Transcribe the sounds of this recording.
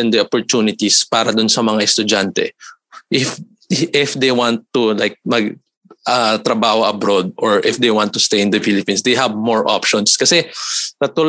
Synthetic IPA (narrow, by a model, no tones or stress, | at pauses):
ɛnd̪ɐʔopoɹt̪uːnɪt̪ispaːɾɐd̪ʊnsɐmɐŋaʔɛst̪ʊd͡ʒant̪ɛ̰ | ʔɪf | ʔɪfd̪ejwant̪ːulajk̚mɐɡ | ʔɐt̪ɾɐbaːhoʔɐbɾod̪̚ʔɔɹʔɪfd̪ejwãnt̪ːʊst̪ejɪnd̪ɐfilɪpinsd̪ejɦɐbmɔɹʔa̰pʃɔnskɐsɛk̪ɐt̪ʊl